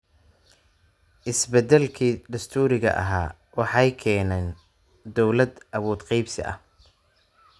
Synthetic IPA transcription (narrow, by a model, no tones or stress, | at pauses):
ʔɪsbɛd̪ɛlkʰiːd̪ɐst̪ʰuːɾɪɣɐ̰ʔɐ̰ɦa̰ː | wɑħɑjkʰɛːnɛn | d̪ɔwlɐd̪ʔɐβuːd̪qɑjbsɪ̰ʔɐ̰h